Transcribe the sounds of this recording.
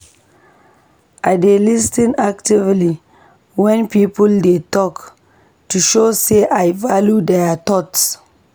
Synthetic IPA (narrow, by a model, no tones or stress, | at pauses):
adelistĩnaktivli | wɛ̃npipuldetɔk | tuʃoseʔajvaljudɛatɔts